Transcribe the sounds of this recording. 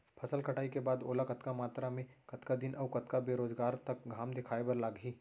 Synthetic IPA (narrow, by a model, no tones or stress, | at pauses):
pʰɐsəlkʰɐʈʰaːikebaːd̪oːlakɐt̪kamaːt̪ɾamẽkɐt̪kad̪ɪnʔɐːkɐt̪kabeːɾoːzɡaːɾt̪ɐk̚ɡʱaːmd̪ɪkʰaːebɐɾlaːɡɦiː